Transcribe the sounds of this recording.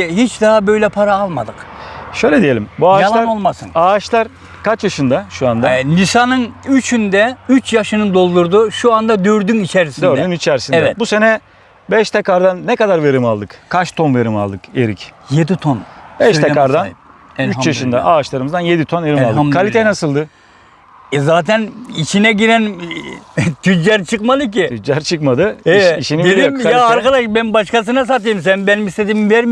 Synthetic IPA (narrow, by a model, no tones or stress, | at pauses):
hit͡ʃd̪aɦabø̞jlʲɛpʰaɾaalˠmad̪ɯkʃøjlʲɛd̪ije̞lʲimbuaːʃjalˠaɾnolˠmasɯ̰naːʃlˠaɾ | kʰat͡ʃjaʃɯnd̪aʃuand̪alʲisanɯnyt͡ʃʰynd̪ɛyt͡ʃjaʃɯnɯd̪o̞lˠd̪uɾd̪uʃuand̪ad̪øɾd̪ynit͡ʃʰɛɾisidnøɾd̪ynit͡ʃʰɛɾsinɛɛbuse̞nɛ | bɛʃt̪ʰɛkaɾd̪anːɛkad̪aɾve̞ɾimalˠd̪ɯkkʰaʃt̪ʰonveɾimalˠd̪ɯkeɾicjed̪it̪ʰonb̥ɛʃt̪ʰekaɾd̪anyjaʃɯnd̪aʔaːt͡ʃʃlˠaɾɯmɯzd̪anjed̪it̪ʰonveɾimalˠd̪ɯkʰːalʲit̪ʰɛnasɯlˠd̪ɯ | zaːt̪ʰænit͡ʃʰinɛɟiɾæn | t̪ʰyd͡ʒæɾt͡ʃʰɯkmad̪ˠɯcit̪ʰyd͡ʒæɾt͡ʃʰɯkmad̪ɯɛiʃiniiliomkːjaːɾkad̪aʃbænbaʃkas̬ɯnas̬at̪̬ɯjɯms̬ænbænimist̪ed̪imvɛɾm